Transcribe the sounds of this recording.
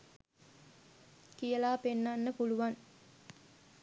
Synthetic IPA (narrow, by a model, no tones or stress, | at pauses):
kijəlaːpenːanːəpuluʋaŋ